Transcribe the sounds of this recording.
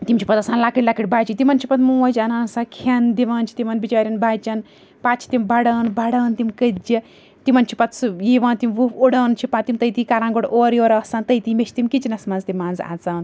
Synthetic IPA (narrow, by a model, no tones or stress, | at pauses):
t̪imʲt͡ʃʰipɐt̪ɐsaːnlaːkiʈʲlakiʈʲbaːt͡ʃit̪imɐnt͡ʃʰipɐt̪mũːʋɐd͡ʒʲɐnaːnsaːkʰɐnd̪iʋãːnt͡ʃʰi̥t̪imɐnbit͡ʃaːɾʲɐnbaːt͡ʃɐn | paːt̪t͡ʃʰi̥t̪imbɐɽaːnbɐɽaːnt̪imkəd͡ʒi | t̪imɐnt͡ʃʰi̥pɐt̪sjiʋãːnt̪imʋufoɽaːnt͡ʃʰipat̪imt̪ɐjt̪iːkaɾãːɡoɽoːɾjoːɾɐːsãːnt̪ɐjt̪imet͡ʃʰi̥t̪imkit͡ʃinɐsmanzt̪imaːnza̰ːt͡saːn